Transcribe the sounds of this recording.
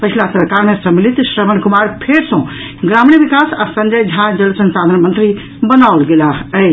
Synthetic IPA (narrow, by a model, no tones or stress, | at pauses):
pət͡ʃʰilasəɾkaɾmẽsəmilit̪sɾəmənkumaɾpʰeɾsɔ̃ | ɡɾamniʋikasa̰sə̃ɲd͡ʒəjd͡ʒʱãd͡ʒəlsə̃nsad̪ʱənmənt̪ɾi | bənaulɡelaə